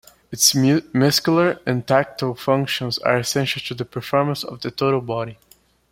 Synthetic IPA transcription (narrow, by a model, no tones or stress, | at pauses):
ɪtsmʊskl̩ˠə˞ɨ̃ntʰæk̚tofʌ̃ŋkʃə̃nza̰ɹɨsɛ̃nʃəl̩ˠtʰuðəpʰə˞fɔɹmə̃nsɔ̰vðətʰoʊɾl̩ˠbɑɾi